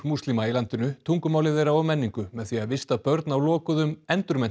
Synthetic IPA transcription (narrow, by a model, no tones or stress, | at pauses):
must̪limailant̪ɪnʏt̪ʰuŋkʏmaːwlɪðɛɾawɔmɛnːiŋkʏmɛðθiaðvɪst̪apœɾt̪nawlɔːkʏðʏmɛnt̪ʏɾmɛn